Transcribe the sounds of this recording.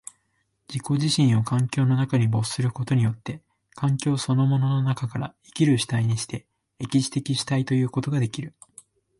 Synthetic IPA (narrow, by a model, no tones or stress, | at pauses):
d͡ʑiko̞ʑiɕĩɰ̃o̞kʰãŋkʲo̞ːno̞nakaɲ̟ibo̞sɨ̥sɨɾɯ̟ko̞t̪o̞ɲ̟ijo̞t̪ːe̞ | kʰãŋkʲo̞ːso̞no̞mo̞no̞no̞nakakaɾa̰ikʲiɾɯ̟ɕi̥t̪aiɲ̟iɕi̥t̪e̞ | e̞kʲiɕi̥t̪e̞kʲiɕi̥t̪ait̪o̞jɯ̟ːko̞t̪o̞ɡad̪e̞kʲiɾɯ̟